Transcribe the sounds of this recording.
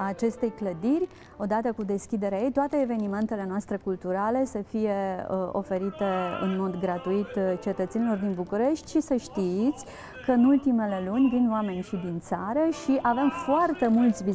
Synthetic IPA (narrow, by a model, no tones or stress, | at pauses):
aːt͡ʃe̞st̪e̞jkləd̪iɾʲ | o̞d̪at̪əkud̪e̞skʲid̪e̞ɾeajejt̪oat̪e̞ːve̞nime̞nt̪e̞le̞noast̪ɾe̞kult̪uɾale̞səfije̞o̞̰fe̞ɾit̪e̞ɨ̰nmo̞d̪ɡɾat̪uit̪t͡ʃe̞t̪ət̪se̞nilo̞rd̪inbukuɾe̞ʃt̪ʲʃisəʃt̪it̪sʲ | kəɨnult̪ime̞le̞lunʲd̪inoame̞nʲʃid̪int̪saɾəʃiʔave̞mfoart̪e̞mult̪sʲvi